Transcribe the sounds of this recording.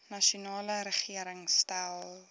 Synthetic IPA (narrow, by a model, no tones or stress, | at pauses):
nɐʃunɑːləɾəχiəɾəŋstalˠ